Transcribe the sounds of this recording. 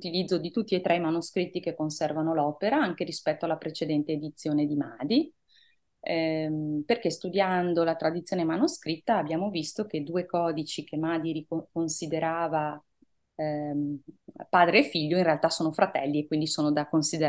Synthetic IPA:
t̪ilid̪zːod̪it̪ut̪ːiet̪ɾʔɛjmanuskɾit̪ːikekːonsɛrvanolɔːpeɾaaŋk̟eɾispɛt̪ːoalːapɾet͡ʃed̪ɛnt̪eːd̪it̪sːjoːned̪imaːd̪i | perkest̪ud̪jand̪olat̪ɾad̪it̪sːjoːnemanoskɾit̪ːaːbjaːmovist̪oked̪uːekɔːd̪it͡ʃik̟ʰemaːd̪iɾikonsid̪eɾaːva | paːd̪ɾeːfːiʎːoinrealt̪asoːnofɾat̪ɛlːiekːwind̪isoːnod̪akonsid̪e

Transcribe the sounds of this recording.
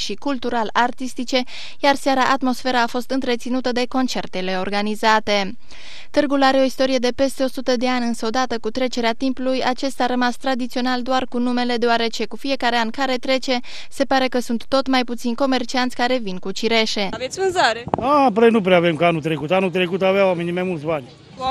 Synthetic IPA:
ʃikult̪uɾalart̪ist̪it͡ʃe̞ | jarsaɾaʔat̪mo̞sfe̞ɾaːfo̞st̪ɨnt̪ɾe̞t̪sinut̪əd̪e̞ko̞nt͡ʃe̞rt̪e̞le̞o̞rɡanizat̪e̞ | t̪ɨrɡulaɾe̞o̞ist̪o̞ɾije̞d̪e̞pe̞st̪e̞o̞sut̪əd̪e̞anʲɨnsəod̪at̪əkut̪ɾe̞t͡ʃe̞ɾeat̪impulujat͡ʃe̞st̪aɾəmast̪ɾad̪it̪sio̞nald̪oarkunume̞le̞d̪eoaɾe̞t͡ʃe̞kufie̞kaɾe̞ankaɾe̞t̪ɾe̞t͡ʃe̞ | se̞paɾe̞kəsunt̪ːo̞t̪majput̪sinko̞me̞rt͡ʃiant̪sʲkaɾe̞vinkut͡ʃiɾe̞ʃe̞avet̪sʲvɨnzaɾeapɾejnup̬ɾeavemkəanut̪ɾekut̪anut̪ɾekut̪aveawamenimajmult̪sbanʲ

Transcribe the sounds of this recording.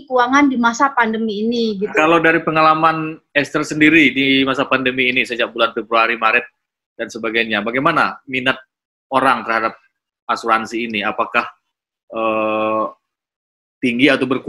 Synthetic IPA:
kuaŋandimasapandəmiːniɡikalawdaɾipəŋalamanɛst̪ərsəndiɾidimasapandəmiːnisəd͡ʒak̚bulanfɛbɾuaɾimaɾɪt̪̚ | d̥ansəbaɡajɲabaɡajmanaminət̪̚ | oɾaŋt̪ərhadap̚ | asuɾansiːniapakah | ʔəː | t̪iŋɡiat̪awbərku

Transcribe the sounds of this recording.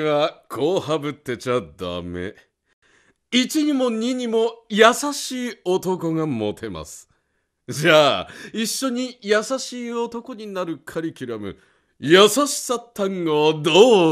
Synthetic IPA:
βakʰo̞ːhabɯ̟t̪ːe̞t͡ɕad̪a̰me̞̰ | it͡ɕiɲ̟imo̞ɲ̟iɲ̟imo̞jasaɕiːo̞t̪o̞ko̞ŋamo̞t̪ʰe̞ma̰sɨ̥ | d͡ʑaːiɕːo̞ɲ̟ijasaɕiːo̞t̪o̞ko̞ɲ̟inaɾɯ̟kʰaɾʲikʲiɾamɯ̟̰ | jasaɕi̥sat̪ʰːãŋɡod̪oː

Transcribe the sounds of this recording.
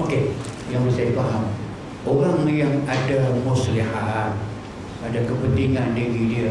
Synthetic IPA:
oke | jaŋbəsajdifaɦam | oɾaŋjaŋadamuslihan | adakəpənt̪iŋandiɣidiə

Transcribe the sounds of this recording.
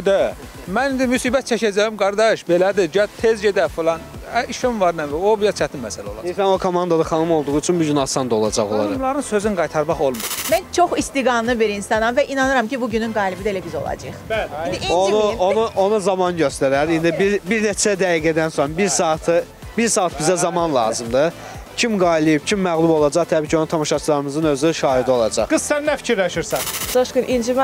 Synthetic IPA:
d̪ | mænind̪imysiːbæt̪̚t͡ʃʰæcʰæd͡ʒæjimɡɑɾd̪ɑʃbelæd̪iɟæt̪ʰezɟed̪æfilˠɑn | æiʃivɑɾnæmiobijæt͡ʃʰæt̪inmæsælæolˠɑisænokʰomɑnd̪ad̪aχɑnɯmo̞lˠd̪uʁuyt͡ʃʰynbuɟynɑsɑnd̪o̞lˠɑ̰d͡ʒɑɣolˠɑ̰d̪mlˠɑɾɯnsøzynɡɑjt̪ʰɑɾmɑχo̞lˠmumænt͡ʃʰo̞χist̪iɡɑnlˠɯbiɾinsɑnɑnvæʔinɑnɯɾɑmcibuɟynynɡɑːlʲibid̪elæbizo̞̰lˠɑ̰d͡ʒɯ̰χbælind̪iionuonuo̞nuzɑmɑnɟø̞st̪æɾæɾind̪ibiɾbiɾnet͡ʃʰæd̪æjiɡæd̪ænsobiɾsɑːt̪ʰɯ | biɾsɑːt̪bizæzɑmɑnlˠɑ̰ːzɯmd̪ɯ | cʰimɡɑːilˠijibcʰimːæɣlˠubo̞lˠɑd͡ʒɑʁt̪ʰæbiːcʰo̞nut̪ʰɑmɑʃɑt͡ʃʰlˠɑɾɯmɯzɯnø̞zyʃɑːhid̪io̞lˠɑd͡ʒɑ̰χɡ̥ɯssænːæfi̥cʰiɾlæʃɯɾsɑnsɑʃkɯnʔind͡ʒim

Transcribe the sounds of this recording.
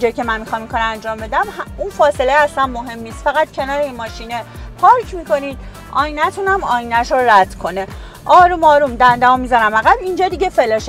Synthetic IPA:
d͡ʒɒjcʰe̞mænmixɒːmiŋkʰɒːɾænd͡ʒɒːmbe̞d̪æmhunfɒːse̞leæslænmoɦe̞mːiːst̪fæɣæt̪̚cʰe̞nɒːɾeinmɒːʃinepʰɒːɾcʰmiko̞niːd̪̚ | ɒːjinæt̪ʰunæmɒːjinæʃoɾæd̪̥kʰo̞ne | ʔɒːɾuːmɒːɾumd̪ænd̪æmomizɒɾæmæɣæbind͡ʒɒːd̪iɟefeleʃ

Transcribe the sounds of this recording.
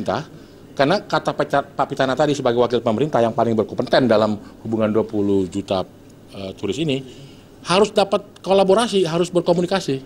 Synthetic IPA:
nt̪ah | karnakat̪apapapit̪anat̪adisəbaɡajwakɪlpəməɾint̪ahjaŋpalɪŋbərkɔmpənt̪ɛndalamhubuŋanduapuluhd͡ʒut̪a | ət̪uɾɪsini | haɾʊsdapat̪̚kolaboɾasiɦaɾʊsbərkomunikasi

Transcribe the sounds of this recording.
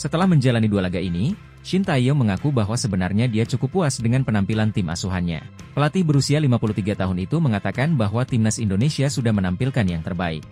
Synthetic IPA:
sət̪əlahməɲd͡ʒalanidualaɡaʔini | ʃint̪aijoməŋakubaɦwasəbənarɲadiat͡ʃukupːuasdəŋanpənampilant̪ɪmʔa̰suɦanɲa̰pəlat̪ɪhbəɾusialimapuluht̪iɡat̪aɦʊnit̪uməŋat̪akanbaɦwat̪ɪmnasindonesiasudahmənampilkanjaŋt̪ərbaɪ̰k̚

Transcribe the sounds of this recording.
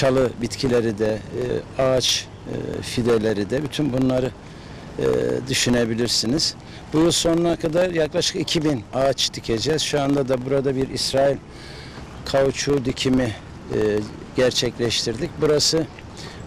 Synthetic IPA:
t͡ʃʰalˠɯbit̪cʰilʲe̞ɾid̪ɛaːt͡ʃː | fid̪elʲe̞ɾid̪ɛbyt̪ʰynbunlˠaɾɯ̰ | d̪yʃyne̞bilʲiɾsiniz̥ | bujulˠso̞nunakʰad̪aɾjaklˠaʃɯ̥kicʰibinat͡ʃt̪ʰicʰe̞d͡ʒɛz̥ʃuand̪ad̪abuɾad̪abiɾisɾaːilʲ | kʰavt͡ʃʰuːd̪icʰimi | ɟ̥æɾt͡ʃʰɛclʲɛʃt̪ʰiɾd̪icbuɾasɯ

